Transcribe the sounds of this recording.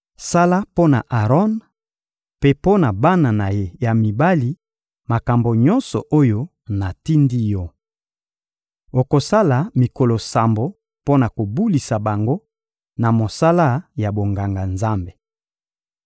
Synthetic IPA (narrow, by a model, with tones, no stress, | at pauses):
sa˦la˦po˦na̰˨ʔa˨ʁɔ˦n | pe˦po˦na˨ba˦na˨na˨je˦ja˨mi˨ba˦li˨ | ma˨ka˨mbo˨ɲɔ˦nsɔ˨ʔo˦jo˦ | na˨ti˦ndi˦jɔ˦ | o˨ko˨sa˦la˨mi˨ko˨lo˨sa˨mbo˨ | po˦na˨ko˨bu˦li˨sa˨ba˨ŋɡo˦ | na˨mo˨sa˦la˦ja˨bo˨ŋɡa˨ŋɡa˨nza˦mbe˨